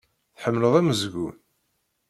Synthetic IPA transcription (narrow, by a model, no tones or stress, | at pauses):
θħəmːləðæməzɡṵn